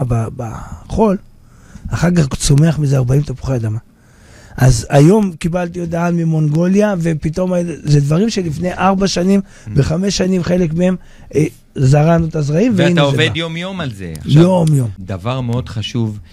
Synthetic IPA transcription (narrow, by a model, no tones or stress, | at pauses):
baba̰χo̞l | aχakaχt͡so̞me̞aχmizeaʁbaimt̪apu̥χead̪ama | ʔazajo̞mkibalt̪iot̪aanmimo̞ŋɡo̞ljave̞pito̞mazed̪vaʁimʃelifne̞jʔaʁbaʃanim | beχame̞ʃːanimχe̞lekmeem | zaʁanut̪azʁaimveintaoevejomjo̞malzḛjo̞mjo̞md̪avaʁmeodχaʃuv